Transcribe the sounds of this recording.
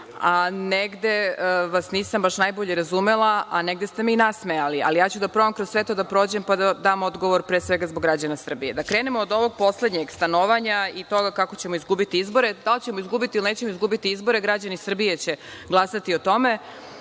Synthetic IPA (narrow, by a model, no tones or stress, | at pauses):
aneɡd̪eʋasniːsambaʃnajboʎeɾazumelˠaʔaneɡ̚d̪est̪emiinasmealia̰lijaːt͡ɕud̪apɾoamkɾosʋe̞t̪od̪apɾo̞ːd͡ʑempad̪ad̪aːmo̞d̪ɡo̞ʋoɾpɾeːsʋe̞ɡazboɡɾad͡ʑanasr̩bije̞d̪akɾe̞ːnemoːd̪o̞ʋo̞ɡ̚po̞sle̞d̪ɲeɡst̪anoʋaɲait̪o̞ɡakako̞t͡ɕe̞moizɡubit̪iizbo̞ɾe̞d̪alt͡ɕemoizɡubit̪ilinet͡ɕemoizɡubit̪iizbo̞ɾe̞ɡɾad͡ʑanisr̩bije̞t͡ɕeɡlˠasat̪io̞t̪o̞me̞